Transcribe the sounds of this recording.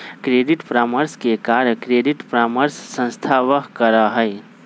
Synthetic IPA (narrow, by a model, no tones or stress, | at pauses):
kɾeːɖiʈpɾaːməɾskekaɾkɾeːɖiʈpɾaːməɾsːə̃nst̪ʰaʋəɦkəɾaɦəj